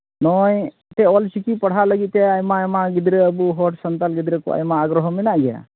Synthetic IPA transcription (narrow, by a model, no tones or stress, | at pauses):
nɔj | t̪ɛɔlsikipɐɽ̤aləɡit̪̚t̪ɛajmamaɡid̪ɾeəbuɦɔʈsənt̪alɡid̪ɾɛkɔ̰a̰jmaːɡɾɔɦɔminaʔɡɛja̰